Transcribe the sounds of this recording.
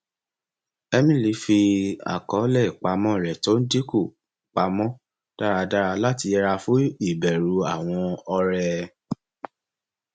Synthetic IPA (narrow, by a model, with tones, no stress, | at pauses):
ɛ˦mĩ˦˨li˨˧˦fi˧a̰˨kɔ˨˦lɛ˦˨k͡pa˧mɔ̃˦˨ɾɛ˨to˦n̩˦di˦ko˦˨ | k͡pa˧mɔ̃˦ | d̥a˦ɾa˧da˦ɾa˧la˦ti˧ɛ˧ɾa˧fu˦i˦˨bɛ˨ɾu˨a˦˨w̃ɔ̃˧ɔ˧ɾɛ˧